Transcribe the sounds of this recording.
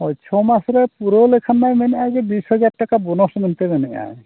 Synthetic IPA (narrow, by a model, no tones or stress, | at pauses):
ɦɔt͡ʃʰɔmasɔɾɛpuɾolekʰanːajmɛnjajzɛbisɦɔd͡ʒaɖ̚ʈakabɔnɔsmɛnt̪emɛnɛja̰j